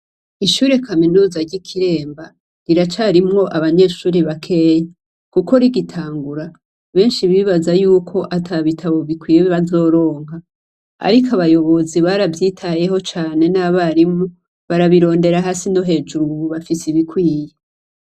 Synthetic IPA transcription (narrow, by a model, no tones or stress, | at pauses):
iʃuːɾe̞kʰaminuːzaɾɟikʰiɾe̞ːmba | ɾiɾat͡ʃaɾimŋo̞ʔaβaɲe̞ːʃuːɾiβakʰe̞ːje | kuko̞ɾiɡitʰaːŋɡuɾa | βe̞ːnʃiβiβazajuːkʰo̞ʔatʰaβitʰaβo̞βikwiːjeβazo̞ːɾo̞ːŋɦa | a̰ɾikʰaβajo̞βo̞ziβaɾavjiːtʰaje̞ho̞t͡ʃaːne̞naβaɾimu | βaɾaβiɾo̞ːnde̞ɾaɦasino̞ɦe̞ːd͡ʒuɾuβafisiβikwiːje